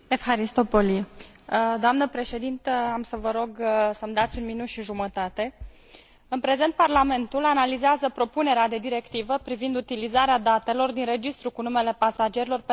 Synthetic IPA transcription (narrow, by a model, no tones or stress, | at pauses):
efxaɾist̪o̞poli | d̪oamnəpɾe̞ʃe̞d̪int̪əamsəvəɾo̞ɡsəmd̪at̪sʲunminut̪ʃiʒumət̪at̪e̞ | ɨnpɾe̞ze̞nt̪̚parlame̞nt̪ulanalizeazəpɾo̞pune̞ɾead̪e̞d̪iɾe̞kt̪ivəpɾivind̪ut̪ilizaɾead̪at̪e̞lo̞rd̪inre̞d͡ʒist̪ɾukunume̞le̞pasad͡ʒe̞ɾilo̞rp